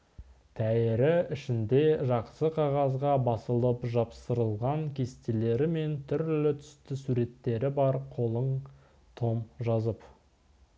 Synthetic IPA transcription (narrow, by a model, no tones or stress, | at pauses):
t̪ʰæɪɾɪɪʃɪnd̪e̞ʒɑqsəqʰɑʁɑzʁɑbɑsəlˠəpʒɑpsəɾəlˠʁɑŋkʲʰe̞st̪ele̞ɾɪme̞nt̪ʰʏɾlɪt̪ʰʏ̥st̪ɪsuɾe̞t̪ːe̞ɾɪbɑɾqʰo̞lˠəɴ | t̪ʰo̞mʒɑzəp